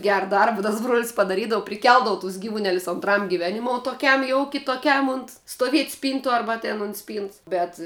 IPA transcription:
ˈɡʲæːrɐ ˈdɐrbɐ tɐs bruɔlʲsʲ pɐdɐˈrʲiːdɐʋʊ pʲrʲɪˈkʲɛlˠdɐʋʊ tʊs ˈɡʲiːʋʊˌnʲæːlʲʊs oːntˈrɐm ɡʲɪˈʋʲæːnʲɪmoːʊ toːˈkʲɛm jɛʊ kʲɪtoːˈkʲɛm ʊnt stoːˈʋʲiɛtʲ ˈsʲpʲiːntʊ ˈɐrbɐ tʲɛn ʊnt ˈsʲpʲiːnts bʲɛt

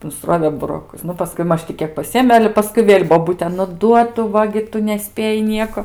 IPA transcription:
nʊsˈroːʋʲeː bʊroːˈkʊs ˈnʊ pɐˈskʊɪ ˈmɐʃ tʲɪ ˈkʲiɛk pɐˈsʲɪeːmʲeː ˈɑːlʲɛ ˈpɑːskʊɪ ˈʋʲeːlʲ boːˈbʊtʲeː nʊ ˈduɔ ˈtʊ ˈʋɐ ɡʲɪ ˈtʊ nʲɛˈsʲpʲeːjɪ ˈnʲiɛkoː

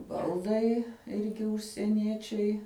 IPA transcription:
ˈbɐlˠdɐɪ ˈɪrʲɡʲɪ ʊʃʲsʲiɛˈnʲiɛt͡ʃʲɛɪ

